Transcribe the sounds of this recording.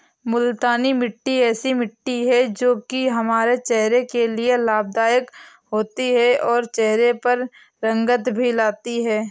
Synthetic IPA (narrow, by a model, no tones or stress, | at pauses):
mʊlt̪aːnimɪʈːiɛːsimɪʈːiɦɛd͡ʒoːkiɦɐmaːɾet͡ʃɛɦɾekelielaːb̚d̪aːjək | ɦoːt̪iɦɛʔɔːɾt͡ʃɛɦɾepɐɾ | ɾɐ̃ŋɡət̪bʱilaːt̪iɦɛː